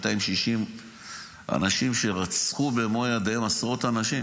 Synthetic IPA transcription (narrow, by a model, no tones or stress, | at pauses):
t̪aimʃiʃim | ʔa̰naʃimʃe̞ʁat͡sχubemojad̪aemasʁo̞t̪anaʃi